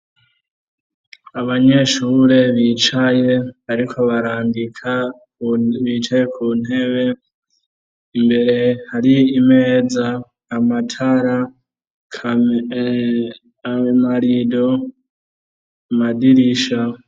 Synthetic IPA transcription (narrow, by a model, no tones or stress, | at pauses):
aβaɲe̞ʃuːɾe̞βiːt͡ʃaje̞aɾikʰo̞βaɾaːŋɡikʰa | βiːt͡ʃaje̞kʰuːn̥e̞βe̞ | imbe̞ɾe̞haɾiime̞ːzaː | matʰaɾa | kʰ | maɾido̞ | madiɾiʃa